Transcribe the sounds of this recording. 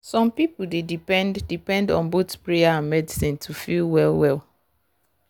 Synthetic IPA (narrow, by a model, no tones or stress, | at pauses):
sɔ̃mpipldedipɛ̃nddipɛ̃ndɔ̰̃nbotpɹeaãnmɛdisĩntʰufilwɛlˠwɛlˠ